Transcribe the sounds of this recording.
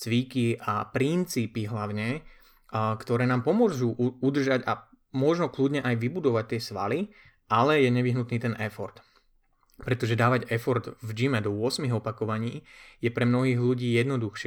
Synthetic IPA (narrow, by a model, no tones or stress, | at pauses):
t͡sʋikiapɾint͡siːpiɦlaʊɲɛ | kt̪ɔɾɛːnaːmpɔmʊɔʒuːʔud̪r̩ʒaɟa | mʊɔʒnɔkludɲɛʔajʋibud̪ɔʋac̚t̪ɪɛsʋa̰li | ʔalɛjɛɲɛʋiɦnut̪niːt̪ɛnʔɛfɔɾt̪ | pɾɛt̪ɔʒɛd̪aːʋaɟɛfɔɾd̪vd͡ʒimɛd̪ɔʊɔsmiɣɔpakɔʋaɲiːjɛpɾɛmnɔɦiːɣluɟiːjɛd̪nɔd̪uxʃ